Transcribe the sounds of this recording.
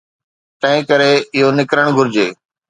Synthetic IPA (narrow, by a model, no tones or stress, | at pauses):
t̪ɐ̃ɦɪ̃kəɾeɪɦonɪkɾəɽ̃ɡʱʊɾd͡ʑeː